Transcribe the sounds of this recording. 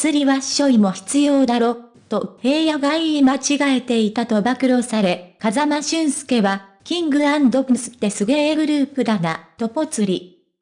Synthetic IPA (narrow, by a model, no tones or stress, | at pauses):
t͡sɨɾʲiβaɕo̞imo̞çi̥t͡sɨjo̞ːd̪aɾo̞ː | t̪o̞he̞ːjaɡaiimat͡ɕiɡae̞t̪e̞it̪at̪o̞bakɯ̟ɾo̞saɾe̞kazamaɕɨ̃ɰ̃sɨ̥ke̞βakʲĩŋɡɯ̟ãnd̪okɯ̟sɨ̥t̪ːe̞sɨɡeɡɯ̟ɾɯ̟ːpɯ̟d̪anat̪o̞po̞t͡sɨɾʲi